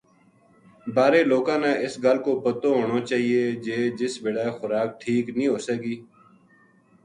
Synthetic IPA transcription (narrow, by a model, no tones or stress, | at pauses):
baːɾeːloːkãːnaːʔɪsɡəlkoːpət̪õːɦoːɽoːt͡ʃaːɦieːd͡ʒeːd͡ʒɪsbɪɽaːexʊɾaːk̚ʈʰiːknĩːɦoːsəkiː